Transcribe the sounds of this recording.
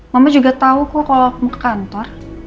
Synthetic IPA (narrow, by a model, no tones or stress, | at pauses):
mamad͡ʒuɡat̪aukukalak̚mukkant̪ɔr